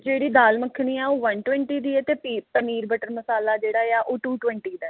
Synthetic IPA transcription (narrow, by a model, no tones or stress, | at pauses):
d͡ʒeːɽiːd̪aːlməkʰːniːɛːoːʋənʈwɛ̃ɳʈiːd̪iːɛt̪eːpiːpəniːɾbəʈəɾməsaːlaːd͡ʒeːɽaːaːʔoːʈuːʈwɛ̃ɳʈiːd̪aː